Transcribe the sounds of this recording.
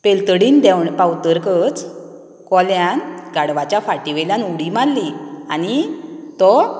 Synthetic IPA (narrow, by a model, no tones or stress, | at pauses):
pelt̪əɽiːnd̪ɛwɳpawt̪əɾkət͡s | kɔljanɡaɽʋat͡ɕjafaʈiʋeljanuɽimalːianit̪ɔ